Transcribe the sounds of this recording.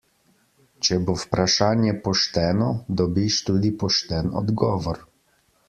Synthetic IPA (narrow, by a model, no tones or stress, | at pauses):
t͡ʃɛbowpɾaʃaːnjɛpɔʃt̪ɛːnɔd̪ɔbiʃt̪uːd̪ipɔʃt̪ɛnɔ̰d̪ɡɔːʋɔɾ